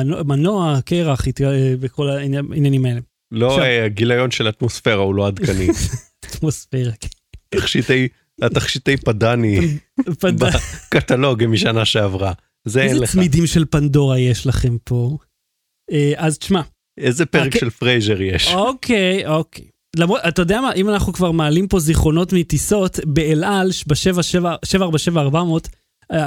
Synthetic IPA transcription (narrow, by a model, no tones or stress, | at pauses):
nomano̞akeʁaχit̪ɡaebeko̞lainainjanimaele | lo̞aɡilajo̞nʃelat̪mosfe̞ʁaulo̞ad̪kani | at̪mosfeʁake | t̪aχʃit̪ej | at̪aχʃit̪ejpadanipadbakat̪alo̞ɡemiʃanaʃeavʁa | zezletmidimʃelpando̞ʁajeʃlaχe̞mpo̞ | eʔazt̪i̥ʃma | ezepeʁekʃelfʁejzeʁjeʃokʰejʔokej | lamʁodat̪ajodeamaʔimanaχnukvaʁmaːlimpo̞ziχo̞no̞tmitiso̞tbeelʔalʃbaʃevaʃevaʃevaːʁbaʃe̞vaːʁbamot